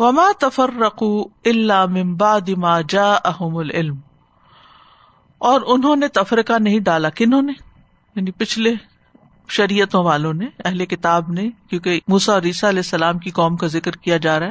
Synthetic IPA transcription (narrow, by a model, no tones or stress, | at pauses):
ʋɐmaːt̪ɐfɐrːɐquːɪlːaːmɪ̃mbaʕd̪ɪmaːd͡ʒaːʔɐɦʊmʊlɪlm | ɔːɾʊnɦõnet̪ɐfɾɪqanɐɦĩɖaːlakɪnɦõːne | jaːnipɪt͡ʃʰle | ʃɐɾijət̪õʋaːlõneɐɦlekɪt̪aːbnẽkjõːkemuːsaɔːɾiːsaɐlɛːsːɐlaːmkiqɔːmkazɪkɾkijad͡ʒaːɾaɦɛ